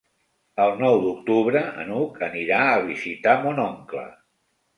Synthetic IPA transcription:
əlˠnɔwd̪uk̚t̪uβɾəə̰nukʰəniɾaəβizit̪amonɔŋklə̰

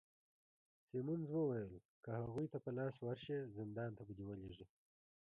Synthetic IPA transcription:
semunzwəwajəlkəhaɣujt̪apəlɑswaɾʃezɪnd̪ɑnt̪abud̪iwəleʐi

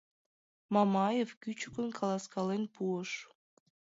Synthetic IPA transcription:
mɑmɑjefkʲyt͡ɕukə̆nkʰɑlˠɑskɑlenpuəʃ

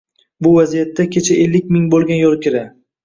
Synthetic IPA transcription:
bʊvazijat̪ːakʲʰet͡ʃʰaʔelːɪk̚ʲmɪŋbolˠɡʲanjolˠkʲɪɾa

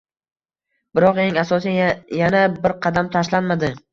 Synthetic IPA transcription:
b̥ɪɾɒqe̞ŋasɒs̬ijanabɪɾqʰɑd̪amt̪ʰaʃlanmad̪ɪ

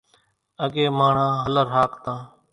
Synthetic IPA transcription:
əɠeːmaːɳ̤ãːɦələɾɦaːkt̪ãː

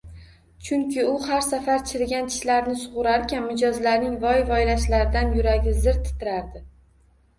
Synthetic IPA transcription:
t͡ʃʰʊŋkʲʰɪʊhaɾsafaɾt͡ʃʰɪɾɪɡʲant͡ʃʰɪ̥ʃlaɾnɪsʊʁʊɾaɾkʲʰanmɪd͡ʒɒzlaɾnɪŋvɒjvɒjlaʃlaɾɪd̪anjʊɾaɡʲɪzɪɾt̪ʰːɪ̥t̪ʰɪɾaɾd̪ɪ

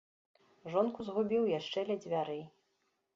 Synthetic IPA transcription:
ʐɔnkuzɣubʲiwjaʂt͡ʂɛlʲɛd͡zʲvʲaɾɨ

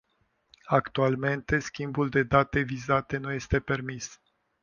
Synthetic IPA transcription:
akt̪ualme̞nt̪e̞skʲimbuld̪e̞d̪at̪e̞vizat̪e̞n̪uje̞st̪e̞pe̞rmis

